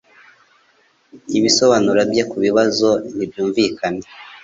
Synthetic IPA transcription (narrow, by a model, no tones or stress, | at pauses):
iβiso̞βanuɾabjekuβiβazo̞nibjuːɱvikʰane